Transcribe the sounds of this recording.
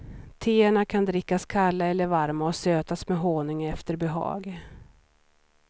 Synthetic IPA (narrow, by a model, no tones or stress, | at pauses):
t̪ʰeːəɳakʰand̪ɾɪkːaskʰalːaɛlːəɾvaɾmaɔsøːt̪asmɛɦoːnɪŋɛft̪əɾbɛɦɑ̰ːɡ